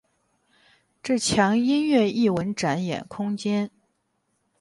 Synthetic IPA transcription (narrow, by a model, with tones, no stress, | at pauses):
ʈ͡ʂɤ˥˩t͡ɕʰjɑ˧˥ŋi˥nɥɛ˥˧i˥˩wə˧˥nʈ͡ʂa˧˥njɛ̰˨˩nkʰʊ˥ŋt͡ɕjɛ˥n